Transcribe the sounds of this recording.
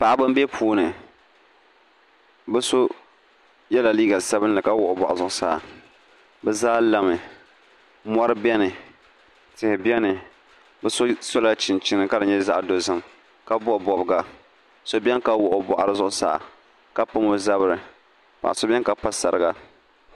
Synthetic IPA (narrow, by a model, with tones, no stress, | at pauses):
pa˨ʔa˦bɨ˦m˦be˦pʰuː˦nɨ˨ | bɛ˦so˦ | jɛ˦la˨liː˦ɡa˨sa˦bɨ˦nlɨ˨ka˦wʊ˨ʔʊ˨bɔ˨ʔa˨zʊ˦˨ʔʊ˦sa̰˨ | bɛ˦zaː˦la˨mɨ˨ | mɔ˦ɾɨ˦bɛ˦nɨ˨ | tɪ˨hɪ˨bjɛ˦nɨ˨ | bɛ˦so˦so˦la˦t͡ʃɪ˨nt͡ʃɪ˦nɨ˨ka˦dɨ˨ɲɛ˦za̰˦ʔdo˨zɨ˦m | ka˦bɔ˦ʔbɔ˨bɨ˨ɡa˨ | so˨bʲɛ˦nka˦wʊ˨ʔʊ˨bɔ˨ʔa˨ɾɨ˦zʊ˦ʔʊ˦sa̰˦˨a̰˨ | ka˦pʊ˦mo˦za˦bɨ˦˨ɾɨ˨ | pa̰˨ʔa˨so˨bɛ˦ŋka˦pa˦sa˨ɾɨ˨ɡa˦